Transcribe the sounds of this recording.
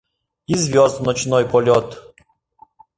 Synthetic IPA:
izvʲjɔzd̪nɔt͡ɕnɔjpɔlʲɔt̪

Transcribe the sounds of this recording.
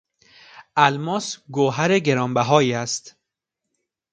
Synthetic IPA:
ʔælmɒːsɡoɦæɾeɡe̞ɾɒːmbæɦɒːjiːæst̪

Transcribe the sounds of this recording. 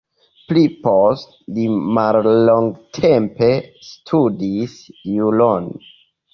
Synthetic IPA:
plipost | limalːo̞ŋɡtʰempe̞stʰudisjulon

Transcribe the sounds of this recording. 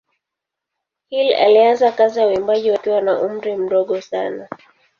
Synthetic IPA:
hila̰lianzakaziawimbaʄiwakiwanaʔum̩ɾim̩ɗɔɠɔsana

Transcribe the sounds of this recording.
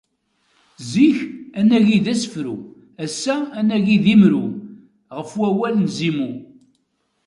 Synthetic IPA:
ziçænæʝiðæsə̥fɾu | æsːæːnæʝiðimɾu | ʁəfwæwælnzimu

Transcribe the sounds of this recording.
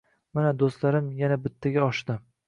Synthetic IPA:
manad̪ost̪laɾɪmjanabɪt̪ʰːaɡʲaɒʃd̪ɪ

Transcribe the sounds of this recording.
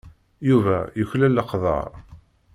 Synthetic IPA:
juvæjəçlælːəqðˤɑ̰ɾˤ

